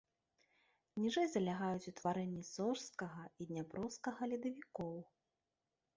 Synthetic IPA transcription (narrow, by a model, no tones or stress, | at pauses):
nʲiʐɛjzɐlʲaɣajut͡sʲut̪vaɾɛnʲːisɔrskɐɣɐid̪ʲnʲapɾɔwskɐɣɐlʲid̪ɐvʲikɔw